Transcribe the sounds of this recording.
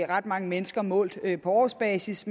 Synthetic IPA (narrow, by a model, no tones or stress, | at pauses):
ʁɑ̈d̥̚mɑ̈ŋəmenəsɡ̥ɐmɔ̰̽ːl̰d̥pʰɒ̽ɒ̰ːsb̥ɛːsism